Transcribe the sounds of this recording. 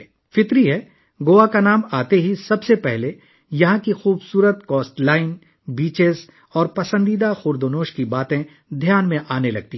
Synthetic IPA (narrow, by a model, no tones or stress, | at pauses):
fɪt̪ɾiɦɛː | ɡoːʋakanaːmaːt̪eɦisɐbsepɛɦle | jɐɦãkixuːbsuːɾət̪kɔːsʈlaːɪn | biːt͡ʃez | ɔːɾpɐsə̃nd̪id̪axʊɾd̪onoːʃkibaːt̪ẽ | d̪ʱjaːnmẽʔaːnelɐɡ̚t̪i